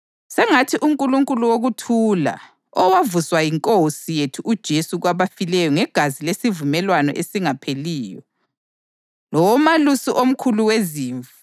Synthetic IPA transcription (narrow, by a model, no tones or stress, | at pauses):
sɛŋatʰiʔuŋkʼuluŋkʼuluwoɣutʰuːla̰ | ɔwavuswajiŋkʼosijetʰuʔud̥ʒ̥ʱesuɣwaβafilɛjɔŋɛɡ̥ʱazilesivumɛlwanɔ̰ʔesiŋapʰeliːjɔ̰ | lɔwɔmalusiʔom̩kʰuluweziːɱva